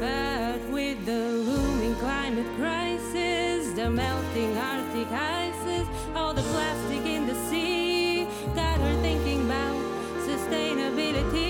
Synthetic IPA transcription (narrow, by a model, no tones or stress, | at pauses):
b̥ʌt̚wɪðɨlumɪ̃ŋkʰl̥ãɪ̃mɨt̚kʰɹ̥aɪsɪzðɨmɛʊ̃tɪ̃ŋɑɹθikʰaɪsɪz | ɔlˠðəpʰl̥æstɨkɪ̃nðɨsi | ɡ̥ɑt̚hə˞θɪ̃ŋkɪ̃ŋəbaʊt̚ | sɨstẽɪ̃nɨbɪlˠɨɾi